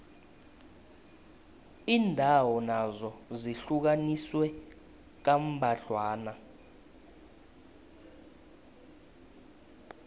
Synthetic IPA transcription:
iːndʱawɔnazɔziɬuk̬aniswɛ | k̬am̩bʱaɬwaːna

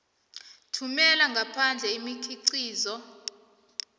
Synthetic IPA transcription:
tʰumɛlaŋɡʱapʰand͡ɮʱɛimikʰʼiǀiːzɔ

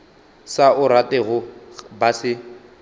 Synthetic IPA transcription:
saʊɾatɛɣʊbasɪ

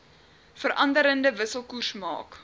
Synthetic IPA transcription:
fəɾʔɐndəɾəndəvəsəlˠkursmɑ̰ːk

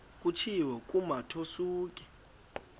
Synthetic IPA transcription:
k̬ʼut͡ʃʰiwɛkʼumatʰosuːk̬ʼɛ̥

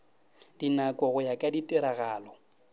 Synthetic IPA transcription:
d̥inakʼɔɣʊjakʼaditʼɪɾaɣaːlɔ

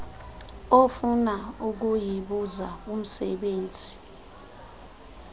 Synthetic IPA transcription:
ofunauk̬ujiɓuzaum̩sɛ̰ɓeːnd͡zʱi

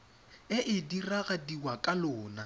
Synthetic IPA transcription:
ɪʔɪdiraɣadiwakʼalʊːna

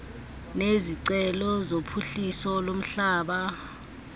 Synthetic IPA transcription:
neziǀɛlɔzopʰuɬisɔlom̩ɬaːɓa

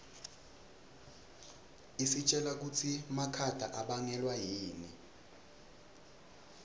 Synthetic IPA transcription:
isit͡ʃʼɛlak̬ut͡sʰimakʰad̥ʱa̰ʔaɓaŋɛlwajiːni

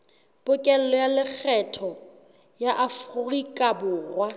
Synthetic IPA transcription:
b̥ʊkʼɛl̩lɔjalɪk͡xʰɛtʰɔ | jaʔafʊrikʼabʊːrwa

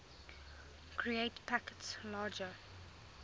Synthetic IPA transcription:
kʰɹieɪtpʰakə̥tslaːd͡ʒə

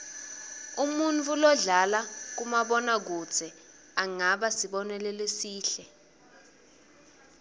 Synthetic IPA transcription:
umunt͡fʰʼulɔɮalak̬umaɓɔnak̬u̥t͡sʰɛ | aŋaɓasiɓɔnɛlɛlesiːɬɛ

